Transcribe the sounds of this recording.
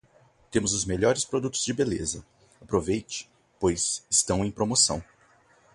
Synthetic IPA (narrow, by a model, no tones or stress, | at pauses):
t̪ẽmʊzʊzmeʎɔɾɪspɾod̪ut̪ʊzd͡ʒɪbelezɐ | apɾovejt͡ʃɪ̥ | pojzɪst̪ɐ̃w̃ẽj̃pɾomosɐ̰̃w̃